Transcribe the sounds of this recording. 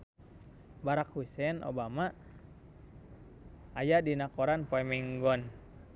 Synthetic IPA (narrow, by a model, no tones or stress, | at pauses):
baɾakhusɛnʔo̰bama | ajadinakɔɾanpɔɛmiŋɡɔn